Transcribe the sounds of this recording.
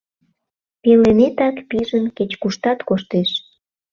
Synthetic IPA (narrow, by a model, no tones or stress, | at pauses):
pelenet̪ɑkpiʒənket͡ɕkuʃt̪ɑt̪koʃt̪eʃ